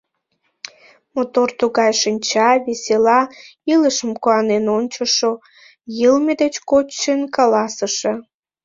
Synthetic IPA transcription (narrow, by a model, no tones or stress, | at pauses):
mot̪ort̪uɣɑjʃɨnʲt͡ɕɑβesʲelɑiləʃəmkuɑnenonʲt͡ɕəʃo | jəlmed̪et͡ɕkot͡ɕʃenkɑlɑsəʃe